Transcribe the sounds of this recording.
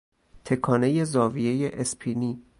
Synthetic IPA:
t̪ʰe̞kʰɒːne̞je̞zɒːvije̞jeʔespʰiniː

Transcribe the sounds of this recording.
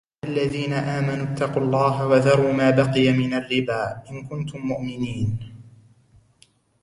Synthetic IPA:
ʔalːaðiːnaʔaːmanuːt̪ʰːɑqulˤːɑːɦawaðɑɾˤuːmaːbɑqɨjamɪnarːɪbaːʔɪnkʊnt̪ʊmːʊʔmɪniːn

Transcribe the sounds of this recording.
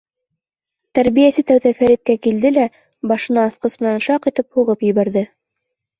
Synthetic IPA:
t̪æɾβijæsɘt̪æwðæfæɾit̪̚kækild̪ɘlæ | bɑʃɤ̆nɑːsqɤsmɘ̆nænʃɑqit̪ɘp̚huʁɤpjɘ̆βæɾðɘ

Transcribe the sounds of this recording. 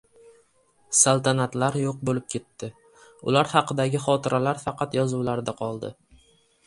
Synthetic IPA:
salˠt̪ʰanat̪laɾjoq̚bolɪp̚kʲʰe̞t̪ːɪ | ʊ̰laɾhɑqʰɨd̪aɡʲɪχɒt̪ʰɪɾʔalaɾfɑqɑt̪jɒzuwlaɾd̪aqʰɒlˠd̪ɪ̰

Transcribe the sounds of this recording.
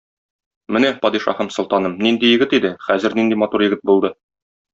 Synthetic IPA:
mɘnæpɒd̪iʃɑ̰hæmsŏlˠt̪ɑnɤmnind̪ijɘ̆ɡɘt̪id̪ɘχæzɘɾnind̪imɒt̪uɾjɘ̆ɡɘt̪̚bulˠd̪ɤ

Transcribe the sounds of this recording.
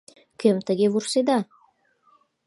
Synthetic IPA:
kʲɘmt̪ə̆ɡʲevursed̪ɑ

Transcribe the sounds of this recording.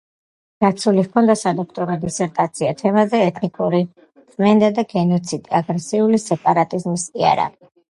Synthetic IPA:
ɡ̥at̪sʰulivkʰɔnd̪asad̪ɔkʰt̪ʼɔɾɔd̪isɛɾt̪ʼat̪sʰiat̪ʰɛmazɛɛt̪ʰnikʼuɾi | sʼmɛnd̪ad̪aɡɛnɔt̪sʰid̪iaɡɾɛsiulisɛpʼaɾat̪ʼizmisia̰ɾa̰i

